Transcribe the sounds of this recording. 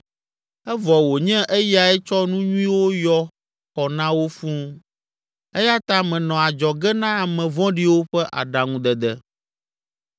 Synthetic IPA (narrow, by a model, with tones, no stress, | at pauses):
ɛ˦vɔ˨wo˨ɲɛ̃˦ʔɛ˦ja˨ɛ˦t͡ʃɔ˦nũ˦ɲũ˦ĩ˦wo˦jɔ˦ | xɔ˨nã˦wo˦fũ˦ | ɛ˦ja˦t̪ã˦mɛ̃˨nɔ̃˨a˨d͡ʒɔ˨ɡɛ˦nã˦a˨mɛ̃˨vɔ̃˦ɖi˦wo˦ɸɛ˦ʔa̰˨ɖa˨ŋũ˦d̪ɛ˨d̪ɛ˨